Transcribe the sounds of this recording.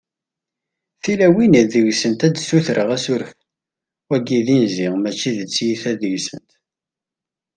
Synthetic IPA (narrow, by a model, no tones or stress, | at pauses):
θilæwinəðəʝsənt̪ædsuθɾəʁæsʊɾf | æɡiðinziʁmæt͡ʃːiðət͡sːjiθæðəʝsənt̪